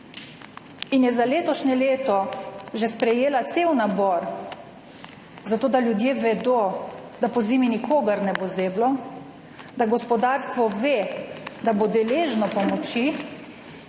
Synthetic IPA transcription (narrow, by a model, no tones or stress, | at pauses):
injɛzaleːt̪ɔʃnɛleːt̪ɔʒɛspɾɛjeːlat̪sewnabɔɾ | zat̪oːd̪aljud̪jeːʋɛd̪od̪apɔziːminikʰoːɡaɾnɛbozeːblɔ | d̪aɡɔspɔd̪aːɾst̪ʋɔʋed̪abod̪ɛleːʒnɔpɔmɔt͡ʃi